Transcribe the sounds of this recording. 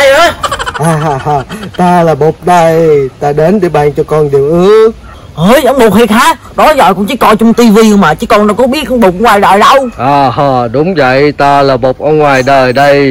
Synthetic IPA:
a˧jʔəː˨˦jʔaː˨˧˩ɦa˨˧˩haː˨˩t̪aː˧laː˨˩ɓo˨˩k͡p̚ɗə˧˩jt̪aː˧˩ɗe˨˦nɗe˨˦ɓaː˧˨ŋt͡ɕɔ˧kɔ˧nɗi˨˩əwʔɨ˨˦ək̚ | həː˧˩jʔwŋ͡mɓo˨˩k͡p̚hi˨˩k̚haː˨˦ | ɗɔ˨˦zɔ̰˧˨˩kɔ̰˧˥ŋt͡ɕɨ˨˦kɔ˧t͡ɕʊ˧ŋ͡mt̪i˧vi˧ə˧ŋmaː˨˩t͡ɕɨ˨˦kɔ˧naː˧˩ŋ͡mkɔ˨˦ɓi˦˥ət̚ʔə˧ŋ͡mɓo˨˩k͡p̚ŋwaː˨˩jɗa̰ː˧˨jɗə˧wʔaː˨˩ɦɔː˨˩ɗʊ˨˦wŋ͡mvə̰˧˨jt̪aː˧laː˨˩ɓo˨˩k͡p̚ʔə˧ŋwaː˨˩jɗəː˨˩jɗə˧j

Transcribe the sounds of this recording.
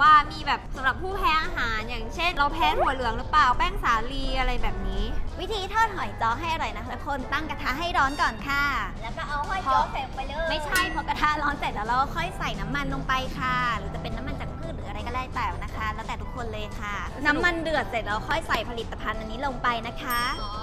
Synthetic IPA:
waː˧˩miː˧bɛː˨˩p̚sa˨˦ɾa˨˩p̚ʰːuː˥˩pʰɛː˨˦˥ʔaː˧ɦaː˩˦njaː˨˩ŋt͡ɕʰe˥˩nɾa˧wpʰɛː˨˧˥ŋhu˨˩˦lɯ˨˩˦əŋɾɯ˨˦˥plaː˨˩wpɛː˥˩ŋsaː˨˦liː˧ʔa˧ɾa˧jbɛː˨˩p̚niː˦˥wi˦˥t̪ʰiː˧t̪ʰɔː˥˩t̪̚ɦɔ˨˩˦jt͡ɕɔː˧˥ɦa˥˩jʔa˧ɾɔ˨˩jna˦˥kla˦˥kʰo˧˥nt̪a˥˩ŋka˧t̪ʰa˦˥ɦa˥˩jɾɔː˦˥nkɔː˨˩nkʰa˧˥˩lɛː˦˥wkɔː˥˩ʔa˧whɔ˥˩jɔ˧˦se˨˩˨pa˧jlɤː˧˩ma˥˩jjt͡ɕʰa˥˩jpʰɔ˦˥ka˧t̪ʰa˦˥lɔː˦˥nse˨˩t̪̚laː˧˥wɾa˧wwkʰɔ˥˩jsa˨˩jna˦˥mːa˧nlo˧ŋpa˧jkʰa˥˩ɾɯː˨˩˦t͡ɕa˨˩pe˧nːa˦˥mːa˧nt͡ɕa˨˩k̚pʰɯː˥˩t̪ɾɯː˩˦ʔɾa˧jkɔ˥˩aː˥˩jpaː˨˩wna˦˥kʰa˦˥lɛ˦˥t̪ɛː˨˩t̪ʰu˦˥kʰːo˧nlɤː˧jkʰa˥˩ | na˦˥mːa˧ndɯ˨˩ə˩t̪̚se˨˩t̪̚ɾa˧wxʰɔ˥˩jsa˨˩jpʰa˧li˨˩t̪ːa˧pʰa˧nʔa˧nːiː˦˥lo˧ŋpa˧jna˦˥kʰa˦˥

